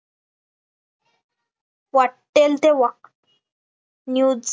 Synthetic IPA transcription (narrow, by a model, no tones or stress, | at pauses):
ʋaʈːelt̪eʋəq̚t̪ | njuː